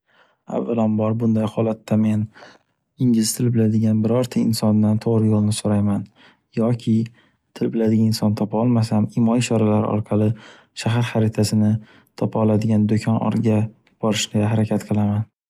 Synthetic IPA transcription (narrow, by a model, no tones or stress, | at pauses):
a̰vːalambɒɾbʊnd̪ajhɒlat̪ʰːame̞n | ɪŋɡʲɪlɪst̪ʰɪlbɪlad̪ɪɡʲanbɪɾɒɾt̪ʰaɪnsɒnːant̪ʰoʁɾɪjolˠnɪsoɾajman | jɒkʲʰɪ | t̪ʰɪlbɪlad̪ɪɡʲanɪnsɒnt̪ʰɒpʰaɒlˠmas̬amɪmɒɪʃɒɾalaɾɪ̰ɒ̰ɾqʰɑlˠɪ | ʃaɦaɾχaɾɪt̪ʰasɪnɪ | t̪ʰɒpʰaɒlˠad̪ɪɡʲand̪okʲʰɒnɒ̰ɾɡʲa | b̥ɒɾɪʃnɪaɦaɾakʲʰat̪qʰɨlˠaman